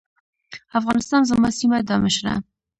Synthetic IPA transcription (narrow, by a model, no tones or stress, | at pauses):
afɣɑnɪst̪ɑnzəmɑsimad̪ɑmɪʃɾa̰